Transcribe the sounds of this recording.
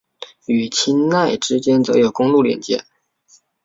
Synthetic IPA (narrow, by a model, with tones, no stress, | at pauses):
y˨˩t͡ɕʰi˥nna˥˩ɪʈ͡ʂɻ̩˥t͡ɕjɛ˥nt͡sɤ̰˧˥jo˨˩ʊkʊ˥ŋlu˥˩ljɛ̰˨˩nt͡ɕjɛ̰˧˥˦